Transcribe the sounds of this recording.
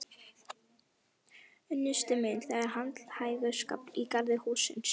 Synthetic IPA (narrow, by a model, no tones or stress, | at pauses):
œnjʏst̪ɪmenθaɣaɾɦant̪lhaːjɣʏska̰ːp̪ikaɾðɪhuːsɪ̰ns